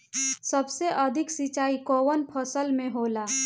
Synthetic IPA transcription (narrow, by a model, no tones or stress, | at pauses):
səbseʔəd̪ʱɪksit͡ʃaːikoːwənpʰəsəlmẽɦoːlaː